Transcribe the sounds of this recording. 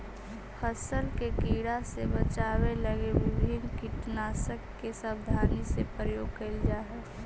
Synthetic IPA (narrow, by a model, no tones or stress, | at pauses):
həsəlkekiːɽasebət͡ʃaːweləɡebɪbʱɪnkiʈnaːsəkːesəbd̪ʱaːnisepəjoːɡ̚kəɪld͡ʒaːɦɛ